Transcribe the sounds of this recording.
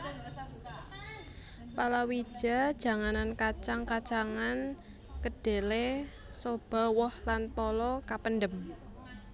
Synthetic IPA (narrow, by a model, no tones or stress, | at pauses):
palawid̥ʒ̥a̤d̥ʒ̥a̤ŋanankat͡ʃaŋkat͡ʃaŋan | kəɖ̥e̤le | sob̥a̤wɔhlanpɔlɔkapəndəm